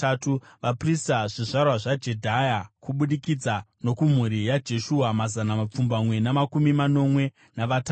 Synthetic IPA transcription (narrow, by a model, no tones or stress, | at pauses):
atuʋapristaʐiʐarwaʐad͡ʒe̞dʱajakuɓuɗikid͡zano̞kum̤uɾijad͡ʒe̞ʃuɦamazanamap͡fumbamwe̞namakumimano̞mwe̞ | naʋata